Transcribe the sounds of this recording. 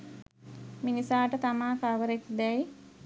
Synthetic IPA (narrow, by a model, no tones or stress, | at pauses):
minisaːʈət̪amaːkaʋəɾekd̪ɛj